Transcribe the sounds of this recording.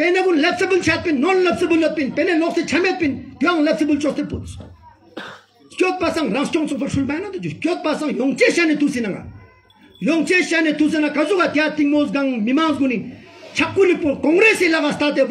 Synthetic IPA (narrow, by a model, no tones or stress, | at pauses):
peneɡunlep̚səbəlt͡ɕʰat̪̚pinːonlapsəbulːot̪̚pinpeneloχset͡ɕʰamet̪̚pint̪iaŋlep̚sebəlt͡ʃoχst̪epot̪ | hkot̪̚pasaŋraŋht͡ɕoŋt͡sʰoχpoʂʰulmanad̪ut͡ɕuhkot̪̚pasaŋjoŋt͡ɕeɕanit̪usinaŋa̰ | joŋt͡ɕeɕanet̪us̬inakazokat̪iat̪iŋ̚mozɡaŋmimaŋzɡunit͡ɕʰap̚kulik̚pokoŋɡɾesilaχast̪at̪e